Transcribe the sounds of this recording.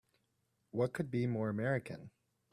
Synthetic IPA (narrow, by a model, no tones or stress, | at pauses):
wʌt̚kʰɨd̚bimɔɹɨmɛɹɨkʰɨ̰̃n